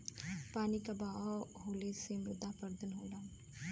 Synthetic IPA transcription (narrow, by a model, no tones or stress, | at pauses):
paːnikabaɔɦoːlesemʊd̪apəɾd̪ənɦoɖã